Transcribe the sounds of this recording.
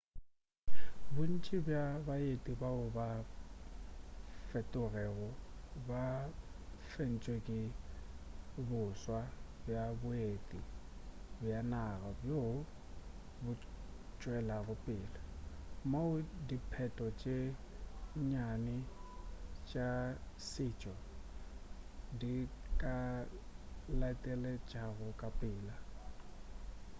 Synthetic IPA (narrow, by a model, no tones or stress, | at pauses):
bʊn̩t͡ʃʼɪbjabaetʼibaʊba | fɛtʼʊrɛɣʊba | fen̩t͡ʃʼwekʼɪ | bʊswabjabʊetʼi | bjanaɣabjo | bʊt͡ʃʼwɛlaɣʊpʼɪːlamaʊdipʰɛtʼɔt͡ʃʼe | ɲanɪ | t͡ʃʼa | sɪt͡ʃʼɔ | dikʼa | latʼɛlɛt͡ʃʼaɣʊkʼapʼɪːla